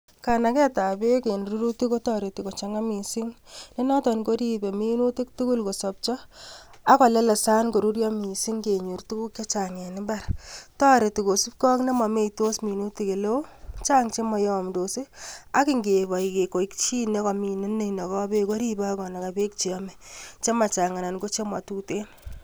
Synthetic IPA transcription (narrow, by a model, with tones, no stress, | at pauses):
ka˨na˨kɛ˦ta˨be˦ke˨nɾu˦ɾu˦ti˦ko˦tɔ˦ɾe˨ti˨ko˨t͡ʃa˦ŋa˦mi˨si˦ŋne˦nɔ˦tɔ˨nko˦ɾi˦be˨mi˦nu˦ti˦k̚tu˦ku˦lko˨sɔ˨p̚t͡ʃɔ˦a˦kɔ˨lɛ˦lɛ˨sa˦nko˨ɾu˦ɾjɔ˦mi˨si˦ŋke˨ɲu˨rtu˦ku˦kːe˦t͡ʃa˨ŋe˨nɪ˦ba˦ɾtɔ˦ɾe˨tu˨ko˨su˦p̚kɔ˦kne˦ma˨me˦i˨to˦smi˨nu˦ti˦ke˨lo˦t͡ʃa˦ŋt͡ʃe˦mɔ˨jmdo˨si˦a˦kɪ˦˨ŋɡe˨βɔ˨i˨ke˨ko˨ikt͡ʃi˦ne˦kɔ˨mi˨ne˦ne˦˨inɔ˨kɔ˦be˦ko˦ɾi˦ba˦kɔ˨na˨ka˨be˦k̚t͡ʃi˨ɔ˦mɛ˨t͡ʃe˦ma˨t͡ʃa˨ŋa˨na˨nɡo˦t͡ʃe˦mwa˨tu˦te˦n